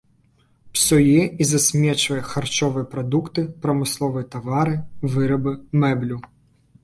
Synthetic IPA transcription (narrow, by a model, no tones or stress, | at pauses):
psʲɔjɛizasʲmʲɛt͡ʂvɐjɛxart͡ʂɔvɨjɛpɾad̪ukt̪ɨpɾɐmɨslˠɔvɨjɐt̪avaɾɨvɨɾɐbɨmɛblʲu